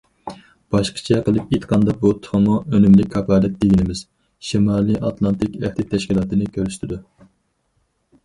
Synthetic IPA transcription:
b̥ɑʃqʰə̥t͡ʃʰɛqəlˠɨpit̪qʰɑnd̪ɑbut̪ʰʊ̥χmuønymlɪkʲʰːɑpɑːlɛt̪̚d̪eɡʲinɪmɪz̥ | ʃimɑːlˠɨʔɑt̪ʰlˠɑnt̪ʰɪkʲæht̪ɪt̪ʰɛʃkʲilˠɑːt̪ɨnɪkʲʰøɾyʃt̪ʰɪd̪u

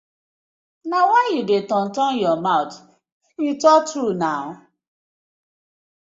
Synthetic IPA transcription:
nawajudetɔ̃n̩tɔnjɔmaʊt | jutɔtɾunaʊ

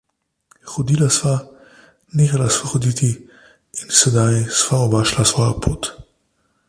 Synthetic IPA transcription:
xɔd̪ilasʋa | neːxalasʋaxɔd̪iːt̪i | insɛd̪ajsʋaɔbaːʃlasvɔːjapʰoːt̪

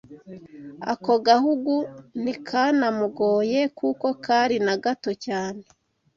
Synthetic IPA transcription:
a̰ko̞ɡahuɡunikʰanamuɡo̞ːjekʰuko̞kʰaɾinaɡato̞caːne

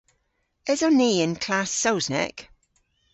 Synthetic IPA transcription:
ɪzəniːɪ̃nkʰl̥asowznɛ̰k

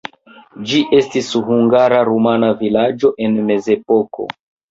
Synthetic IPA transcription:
d͡ʒiʔe̞stisɦuŋɡaɾaɾumanavilad͡ʒo̞ʔe̞nme̞ze̞po̞ko̞̰

